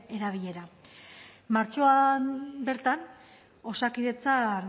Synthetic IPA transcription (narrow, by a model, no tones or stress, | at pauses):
e̞ɾaβ̞iʎe̞ɾa | maɾt͡ʃo̞abe̞ɾt̪an | o̞sakiðe̞t͡san